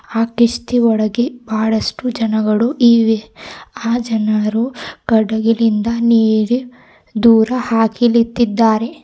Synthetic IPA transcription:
aːkiʂt̪iɔɭɐɡebaːɭɐsʈud͡ʒɐnɐɡɐɭuʔiːʋeaːd͡ʒɐnɐɾukɐɖɐɡilind̪ɐniːɽi | d̪uːɾɐhaːkilit̪ːid̪ːaːɾe̞

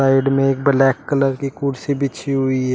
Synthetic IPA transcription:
aːɪɖmẽeːk̚blɛːkːələɾkikuːɖsibʱɪt͡ʃʰiɦʊiɦɛ

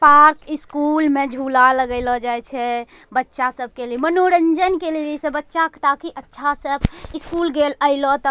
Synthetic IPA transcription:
paɾkiskulmed͡ʒʱulaləɡəɪlɔd͡ʒajt͡ʃʰɛ | bətːʃasəb̚ʱkelimənoɾənd͡ʒənkelelisẽbətːʃakt̪akiʔətːʃʰasəbiskulɡeləɪlɔt̪ə

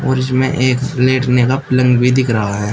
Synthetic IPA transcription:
ɔ̰ːɾɪs̬mẽʔeːkleːʈnekapɪlə̃ŋɡbʱid̪ɪkʰɾɐɦaɦɛː

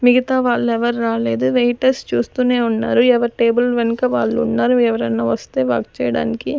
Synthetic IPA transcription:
miɡit̪aːʋaːɭːɛʋɐɾɾaːle̞ːd̪uʋejʈɐst͡ʃuːst̪uːne̞ːunːa̰ːɾuɛʋɐɾiʈeːbulʋenɐkɐʋaːɭːuːnːaːɾuɛʋɐɾɐnːaːʋɐst̪e̞ːʋa̰ːk̚t͡ʃɛ̰ːjɐɽa̰ːniki

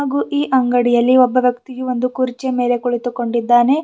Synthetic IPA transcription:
aːɡuːʔiːʔɐŋɡɐɽijɐlːiɔbːɐʋjɐkt̪ijuond̪ukuɾit͡ʃeme̞ːle̞kuɭit̪uko̞ɳɖid̪ːaːne̞

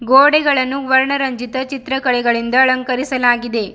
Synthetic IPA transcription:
ɡoːɽɛɡɐɭɐnːuʋɐɾɳɐɾɐɲd͡ʒit̪ɐt͡ʃit̪ɾɐkɐɭɛɡɐɭind̪ɐːɭɐŋkɐɾisɐlaːɡid̪e̞

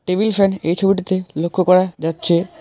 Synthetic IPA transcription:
ʈebilfɾenejt͡ɕʰobiʈit̪elokʰːokɔɾad͡ʑatːɕʰe

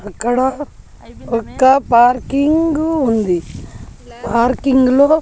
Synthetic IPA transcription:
ɐkːɐɽɐ | ɔkːɐpaːɾkiŋɡund̪i | paːɾkiŋɡulo̞ː

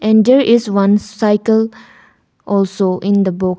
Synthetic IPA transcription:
ɛ̃ɳɖd̪eɾʔɪzwʌ̃nsaɪkəl | ʔɔlsoʔɪ̃nd̪əbʊk

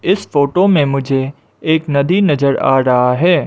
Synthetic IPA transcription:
ɪsfoːʈomẽmʊd͡ʒʱe | eːknɐd̪inɐzəɾa̰ːɾɐɦaɦɛː

